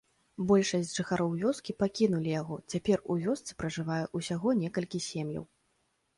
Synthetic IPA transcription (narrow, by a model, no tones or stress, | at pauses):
bɔlʲʂɐsʲd͡zʲʐɨxaɾɔwvʲɔskʲipakʲinulʲijaɣɔt͡sʲapʲɛruvʲɔst̪sɨ̥pɾɐʐɨvajɛʔusʲaɣɔnʲɛkɐlʲkʲisʲemjɐ̰w